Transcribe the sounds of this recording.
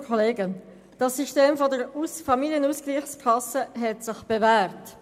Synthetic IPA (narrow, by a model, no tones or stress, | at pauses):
kʰɔleːɡə | d̥ɑsiʃteːmfɔdəɾusfɑmiljənuskliːχskʰlɑsəɦɛtsɪχb̥evæːrt